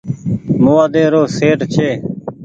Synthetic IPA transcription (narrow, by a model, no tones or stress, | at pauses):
moːaːd̪eːɾoːseːʈt͡ʃʰeː